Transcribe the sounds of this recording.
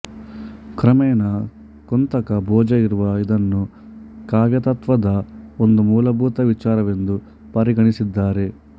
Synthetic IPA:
kɾɐmɛːnɐ | kont̪ɐkɐbʱɔːd͡ʒɐiɾuʋɐid̪ɐnːu | kaːʋjɐt̪ɐt̪ʋɐd̪ɐo̞nd̪umuːlɐbʱuːt̪ɐʋit͡ʃaːɾɐʋe̞nd̪u | pɐɾiɡɐɳisid̪ːaːɾe̞

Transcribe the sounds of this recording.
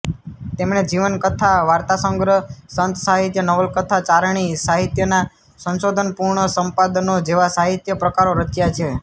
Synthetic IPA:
t̪emɳed͡ʒiʋənkət̪ʰaʋaɾt̪asəŋɡɾəsənt̪saɦit̪jənəʋəlkət̪ʰat͡ʃaɾɳ̃isaɦit̪jəna | sə̃nsod̪ʱənpuɾɳəsə̃mpad̪nod͡ʒeʋasaɦit̪jəpɾəkaɾoɾət͡ʃjat͡ʃʰe

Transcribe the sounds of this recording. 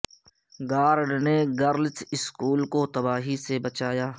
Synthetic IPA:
ɡaːɾɖneɡəɾlt͡ʃɪskuːlkot̪ɐbaːɦisebət͡ʃaːjaː

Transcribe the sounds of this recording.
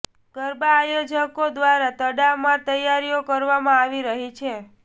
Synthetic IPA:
ɡ̥əɾbaːjod͡ʒəkod̪ʋaɾat̪əɽamãt̪əjaɾijokəɾʋamãaʋiɾəɦit͡ʃʰe

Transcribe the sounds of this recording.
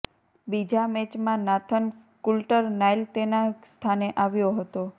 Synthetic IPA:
bid͡ʒamɛt͡ʃmãnat̪ʰən | kulʈəɾnajlt̪enast̪ʰaneʔaʋjoɦət̪o

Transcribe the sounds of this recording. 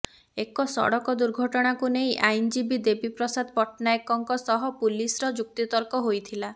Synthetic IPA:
ekɔsɔ̰ɽɔkɔd̪uɾɡʱɔʈɔɽ̃akunejʔajnd͡ʒibid̪ebipɾɔsad̪ʱɔpɔʈnaekɔŋkɔsɔɦɔpulisɾɔd͡ʒuk̚t̪it̪ɔɾkɔɦojt̪ʰila

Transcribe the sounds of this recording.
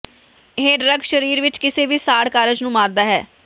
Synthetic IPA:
ɦeːɖɾəɡʃəɾiːɾʋɪt͡ʃkɪseːʋiːsaːɽkaːɾəd͡ʒnũːmaːɾd̪aːɦɛ̰ː

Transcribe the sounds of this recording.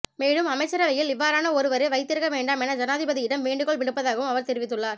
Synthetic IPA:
meːɽɯmɐmɐɪt͡ʃːɐɾɐʋɐjɪlɪʋːaːɾaːnɐɔɾɯʋɐɾɯʋɐɪt̪ːɪɾɯkːɐʋeːɳɖaːmɛnɐd͡ʒɐnaːðɪbɐðɪɪɽɐmʋeːɳɖɯkɔɭʋɪɽɯpːɐðaːɣɐʋɯmɐʋɐɾt̪ɛɾɪʋɪt̪ːɯɭːaːɾ

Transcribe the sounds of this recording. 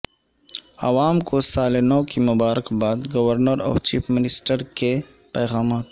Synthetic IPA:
ɐʋaːmkosaːlenɔːkimʊbaːɾəkbaːd̪ɡɐʋəɾnəɾɔ̰ːft͡ʃiːpʰmɪnɪsʈəɾke | pɛːɣaːmaːt̪

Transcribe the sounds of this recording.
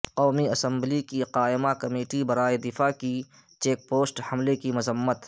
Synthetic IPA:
qɔːmiɐsə̃mblikiqaːɪmakɐmeːʈibɐɾaːed̪ɪfaːki | t͡ʃeːk̚poːsʈhɐmlekimʊzəmːət̪

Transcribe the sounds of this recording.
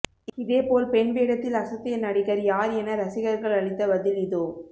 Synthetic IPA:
ɪðeːpoːlpɛɳʋeːɽɐt̪ːɪlɐsɐt̪ːɪjɐnɐɽɪɣɐɾjaːɾɛnɐɾɐsɪɣɐɾɣɐɭɐɭɪt̪ːɐʋɐðɪlɪðoː

